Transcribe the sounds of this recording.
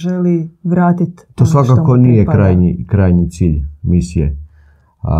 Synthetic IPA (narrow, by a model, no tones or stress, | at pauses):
ʒeliʋɾaːt̪it̪t̪osʋakakonijekkɾaːjɲikɾaːjɲit̪siːʎmisije